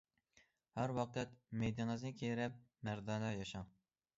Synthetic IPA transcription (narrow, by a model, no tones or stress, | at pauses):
hæɾwɑqɛt̪mejd̪ɪŋɨznɪkʲʰeɾɛp̚mæɾd̪ɑːnɑjɑʃɑŋ